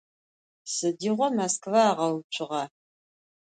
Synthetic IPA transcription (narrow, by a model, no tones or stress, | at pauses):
sɨdiːʁʷɔmaskvaːʁɐwt͡ʃʷʰʼɪʁɑ